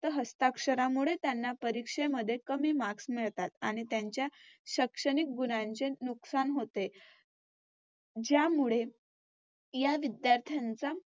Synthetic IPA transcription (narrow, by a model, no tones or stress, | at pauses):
t̪əɦəst̪akʂəɾamuɭet̪janːapəɾikʂeməd̪ʱːjekəmiːmaksmiɭt̪at̪a̰ɽ̃it̪jaɲt͡ɕjaɕəkʂəɽ̃ik̚ɡunaɲt͡ɕenuksanɦot̪e | d͡ʑjamuɭe | jaʋid̪jaɾt̪ʰjant͡sa